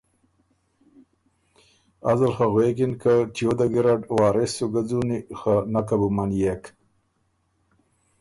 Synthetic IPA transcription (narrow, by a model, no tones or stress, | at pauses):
azalxaɣwekinkatijod̪aɡiɾaɖwɑːɾesoɡad͡zunixanakabumanjek